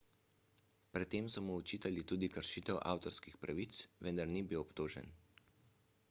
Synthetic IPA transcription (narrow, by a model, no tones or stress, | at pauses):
pɾɛt̪ːeːmsɔmɔɔt͡ʃiːt̪alit̪uːd̪ikəɾʃiːt̪ɛwʔa̰ːwt̪ɔɾskixpɾaʋiːt̪sʋɛnd̪aɾniːbiwɔpt̪oːʒɛ̰n